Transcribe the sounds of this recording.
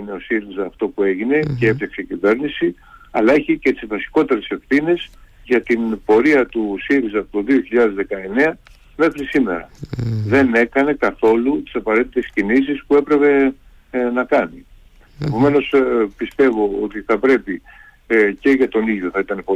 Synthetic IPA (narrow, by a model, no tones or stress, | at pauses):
ine̞o̞siɾizɐːft̪o̞pue̞ʝine̞ceefɐkse̞icive̞ɾnisi | ɐlɐeçicet̪izvɐsi̥ko̞t̪e̞ɾe̞se̞fθines | ʝɐt̪inbo̞ɾiɐt̪usiɾizɐːpot̪o̞ðio̞çiʎɐðe̞zðe̞kɐe̞ne̞ɐ | me̞xɾisime̞̰ɾɐ̰ðe̞ne̞kɐne̞kɐθo̞lut̪i̥sɐpɐɾe̞t̪it̪e̞scinis̬ispue̞pɾe̞pe̞ | nɐkɐni | epo̞me̞no̞spist̪e̞vo̞ot̪iθɐpɾe̞pi | ce̞ʝɐt̪o̞niʝʝo̞θɐit̪ɐnepo